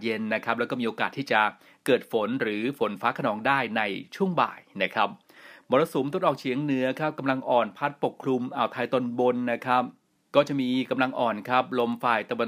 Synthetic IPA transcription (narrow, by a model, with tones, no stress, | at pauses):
je˧nːa˦˥kʰa˦˥p̚lɛ˦˥wkɔː˥˩miː˧o˧kaː˨˩t̪ʰːi˥˩t͡ɕa˨˩ | kɤː˨˩t̪̚fo˩˦nɾɯː˩˦fo˩˦nfaː˦˥kʰa˧nɔː˩˦ŋdaː˥˩jna˧jt͡ɕʰu˥˩əŋba̰ː˨˩jna˦˥kʰa˦˥p̚ | mɔː˧ɾa˧su˨˩˦mt̪o˦˥˩t̪̚ʔɔː˨˩k̚t͡ɕʰi˨˩˦əŋnɯ˦˥ɐkʰa˦˥p̚ka˧mla˧ŋʔɔː˨˩npʰa˦˥t̪̚po˨˩kʰlu˧mʔaː˨˩wt̪ʰaː˧jt̪o˧nbo˧nːa˦˥kʰa˦˥p̚ | kɔː˥˩t͡ɕa˨˩miː˧ka˧mla˧ŋʔɔː˨˩nkʰɾa˦˥p̚lo˧mfaː˨˩jt̪a˧wa˧n